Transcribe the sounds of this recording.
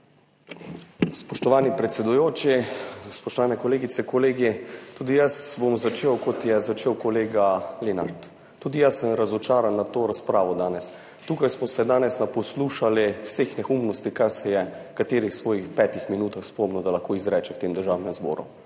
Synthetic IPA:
spɔʃt̪ɔʋaːnipɾɛt̪sɛd̪ujoːt͡ʃispɔʃt̪ɔʋaːnɛkɔleːɡit̪sɛkɔleːɡit̪uːd̪ijəsbomzat͡ʃeːwkɔt̪jɛzat͡ʃeːwkɔleːɡalena̰ɾt̪ː | uːd̪ijəsːəmɾazɔt͡ʃaːɾanːat̪oːɾaspɾaːʋɔd̪aːnɛs | t̪uːkajsmɔsɛd̪aːnɛsnapɔsluːʃaliwsexnɛxumnɔst̪ikaɾsɛjɛkat̪eːɾixsʋɔːjixwpɛːt̪ixminuːt̪axspomnɔd̪alɐxkoːizɾɛːt͡ʃɛwt̪eːmd̪əɾʒaːwnɛmzbɔ̰ːɾṵ

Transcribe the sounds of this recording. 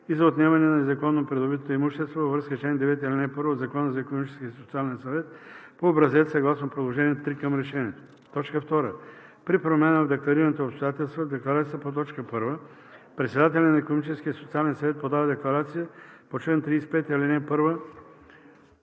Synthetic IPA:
izɐot̪nʲɛavɐnɛnɐnɛzɐkɔnːopɾɛd̪obit̪ot̪oimuʃt̪ɛst̪vovɐvɾəskət͡ʃlɛnd̪ɛvɛt̪ɛlʲinɛpɤɾvoːd̪zɐkɔnəzɐikonomit͡ʃɛskʲiəsot̪sialɛnsɐvɛt̪̚poːbɾɐzɛsɐɡlˠasnopɾod̪lˠoʒɛniɛt̪ɾikəmɾɛʃɛnʲiɛt̪o̥ | t̪ɔt͡ʃkəft̪ɔɾə | pɾipɾomɛnəvd̪ɛklˠɐɾiɾɐnɐt̪oːpst̪ojat̪ɛlˠst̪vod̪ɛklˠɐɾat̪sijəəpot̪̬ɔt͡ʃkəpɤɾvə | pɾɛt̪sɛd̪at̪ɛlʲɐnɐikonomit͡ʃɛsk̟ʲiəsot̪sialɛnsɐvɛt̪̚pod̪avɐd̪ɛklˠɐɾat̪sijəpot͡ʃlɛnt̪ɾiːspɛt̪ɛlinɛpɤɾvə

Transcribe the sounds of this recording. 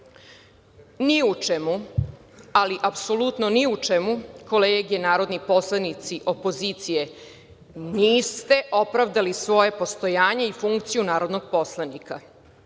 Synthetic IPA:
niut͡ʃemu | aliʔapso̞lut̪noniut͡ʂemuko̞leːɡenaːɾo̞d̪nipo̞slˠanit̪siʔo̞po̞zit̪sije̞ | niːst̪e̞ʔo̞pɾaʋd̪alisʋo̞je̞po̞st̪o̞jaːɲeifuŋkt̪sijunaːɾo̞d̪noɡ̥po̞slˠanika

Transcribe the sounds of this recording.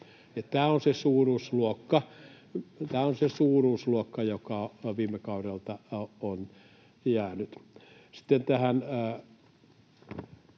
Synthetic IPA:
ɑt̪æːonsesuːruːsluokːɑ | t̪æːonsesuːruːsluokːɑjokɑʋiːmːˑekɑurelt̪ɑon | jæːnyt̪si̥t̪ːent̪æhæn

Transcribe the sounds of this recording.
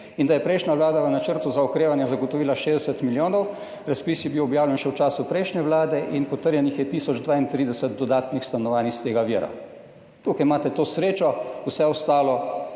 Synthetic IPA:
ind̪ajɛpɾɛjʃnʲaʋlaːd̪aʋənat͡ʃəɾt̪uzaɔkɾeːʋanjɛzaɡɔt̪ɔʋiːlaʃezd̪ɛsət̪miljoːnɔw | ɾaspisjɛbiwɔbjaːwljɛnʃɛwt͡ʃaːsupɾɛjʃnʲɛʋlaːd̪ɛʔinpɔt̪əɾjɛnixjɛt̪iːsɔd͡ʒd̪ʋaːint̪ɾid̪ɛsət̪d̪ɔd̪aːt̪nixst̪anɔʋaːnixst̪eːɡaʋiːɾa̰ | t̪ukajmaːt̪ɛt̪oːsɾeːt͡ʃɔusɛɔst̪aːlɔ

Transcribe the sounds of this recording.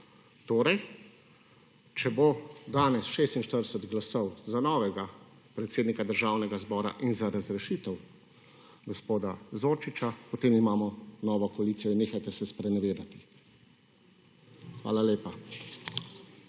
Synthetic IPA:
t̪oːɾɛj | t͡ʃɛbod̪aːnɛsʃeːst̪inʃt̪əɾd̪ɛsɛt̪ɡlasɔwzanɔːʋɛɡa | pɾɛt̪seːd̪nikad̪əɾʒaːwnɛɡazbɔːɾa̰ʔinzaɾazɾɛʃiːt̪ɛw | ɡɔspoːd̪azoːɾt͡ʃit͡ʃapɔt̪eːmimaːmɔnɔːʋɔkɔaliːt̪sijɔinːeːxajt̪ɛsɛspɾɛnɛʋeːɾat̪i̥ | xʋa̰ːlaleːpa

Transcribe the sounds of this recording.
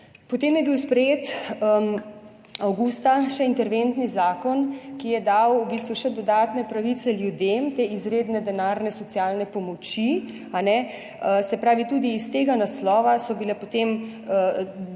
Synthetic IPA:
pot̪eːmjɛbiwspɾɛjeːt̪ | awɡust̪aʃɛint̪ɛɾʋent̪nizaːkɔnkijɛd̪awubist̪ʋuʃɛd̪ɔd̪aːt̪nɛpɾaʋit̪sɛljud̪emt̪eːizɾeːd̪nɛd̪ɛnaːɾnɛsɔt̪sijaːlnɛpɔmɔt͡ʃi | anɛ | sɛpɾaːʋit̪uːd̪iːst̪eːɡanaslɔːʋasɔbilɛpot̪em

